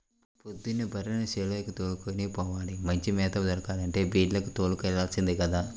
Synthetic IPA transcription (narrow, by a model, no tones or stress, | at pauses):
pod̪ːunibʱɐɾɐnɐseːlɐjɐkut̪oːlukoniːpɔːʋaːlimɐɲt͡ʃimɛːt̪ɐd͡ʒɐɾukaːd̪ɐɳʈe̞ːbiːɖlɐkut̪oːlukɛɭaːlsind̪ikɐd̪aː